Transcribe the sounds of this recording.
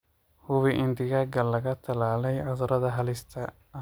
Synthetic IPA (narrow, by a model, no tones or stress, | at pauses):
hʊβɪʔɪnd̪ɪɣɐɡɐlɐɣɐt̪ʰɐlaːlɛjʕɐðɐɾɐðɐɦɐlɪst̪ʰɐ